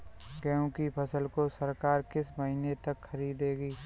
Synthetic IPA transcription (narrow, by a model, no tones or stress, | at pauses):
ɡɛːũkipʰɐsəlkosəɾkaːɾkɪsməɦinet̪ɐkxɐɾiːd̪eːɡiː